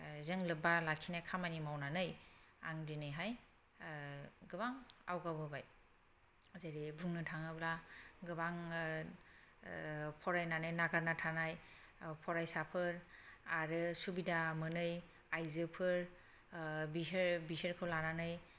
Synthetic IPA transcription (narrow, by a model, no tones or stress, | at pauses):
zeŋlɯbalakʰinajkʰamanimawnanɯj | a̰ŋdinɯjɦaj | ɡɯbaŋa̰wɡawbɯbaj | zeɾibʱuŋnɯtʰaŋɯblaɡɯbaŋ | pʰɔɾajnanɯjnaɡaɾnatʰanaj | pʰɔɾajsapʰɯɾaɾɯsubidamɯnɯj | ajzɯpʰɯɾ | biɾbiseɾkʰɯlananɯj